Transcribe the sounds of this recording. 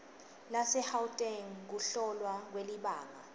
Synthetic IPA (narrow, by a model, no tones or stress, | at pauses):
lasɛhawtʼɛŋk̬uɬɔlwak̬weliɓaːŋa